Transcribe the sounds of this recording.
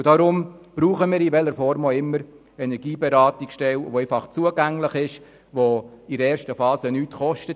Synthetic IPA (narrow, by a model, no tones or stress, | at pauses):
ʊd̥ɑɾʊmb̥ɾuːχəmiːɾɪʋɛlːəɾfɔɾmoɪmːəɾ | ɛnɛɾɡiːbɛɾɑːtikʃtɛlʋoɛɪfɑχt͡suəɡæŋləχɪʃ | ʋoidəɛːɾʃtəfɑːsənyːtχɔʃtət